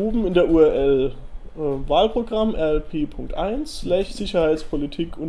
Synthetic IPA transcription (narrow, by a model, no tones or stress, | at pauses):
uːbm̩ɪndeːɐʔuːɛɐʔɛl | vaːlpʁ̥oɡʁamʔɛɐɛlpʰeːpʰʊŋk̚tʔa̰ɪnsʃlɛçz̥ɪçɐhaɪt͡spʰolitʰiːkʰʊn